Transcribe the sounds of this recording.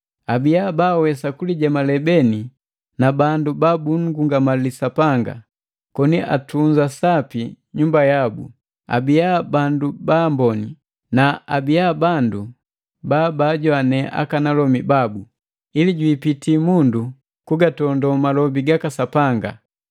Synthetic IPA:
abijabawɛsakuliɟamalɛbɛni | nabandubabuŋ̩ɡuŋɡamalisapaŋɡa̰ | kɔniʔa̰tuɲd͡ʒasapi | ɲumbajabṵ | a̰bijabandubambɔni | naabiabandu | baːbaːɟwanɛʔa̰kanalɔmibabu | iliɟwiːpitiːmundu | kuɡatɔndɔmalɔbiɡakasapaŋɡa̰

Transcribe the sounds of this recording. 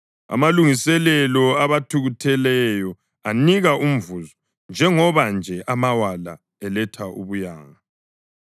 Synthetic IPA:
a̰maluŋisɛlɛlɔaβatʰuɣutʰɛlɛjɔ | aniɣaum̩vuzɔ | nd͡ʒʱɛŋɔβand͡ʒʱɛʔamawala̰ | ɛlɛtʰaʔṵβuja̰ːŋa

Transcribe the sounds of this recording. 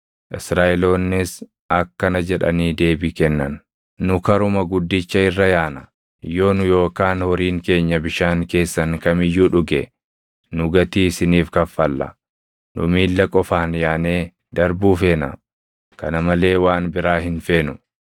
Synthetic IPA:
ʔɪsɾaːʔɛlo̞ːnːɪs | ɐkːɐnɐd͡ʒɛᶑɐ̰niːd̪e̞ːbɪkɛnːɐnː | ʊkɐɾʊmɐɡʊd̪ːɪt͡ʃːɐɪrːɐjaːnɐ | jo̞ːnʊjo̞ːkaːnhɔɾiːŋke̞ːɲːɐbɪʃaːŋke̞ːsːɐŋkɐmɪjːuːᶑʊɡɛ | nʊɡɐt̪iːɪsɪniːfkɐfːɐlːɐ̰ | nʊ̰miːlːɐkʼɔfaːnjaːneː | d̪̥ɐɾbuːfe̞ːnɐ̰ | kɐnɐmɐle̞ːwaːnbɪɾaːɦɪnfe̞ːnʊ

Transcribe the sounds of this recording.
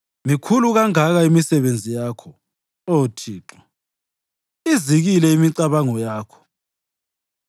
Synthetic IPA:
mikʰuluɣaŋaɣaimisɛβend͡zʱijaːkʰɔ | otʰiːǁɔ | iziɣilɛimiǀaβaŋɔjaːkʰɔ̥

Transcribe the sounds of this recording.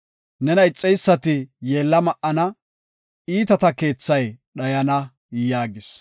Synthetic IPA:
nɛnɐɪt͡sʼːɛjsːɐt̪ɪje̞ːlːɐmɐʔɐnɐ | iːt̪ɐt̪ɐke̞ːt͡sːɐjɗɐjɐnɐ | jaːɡɪs

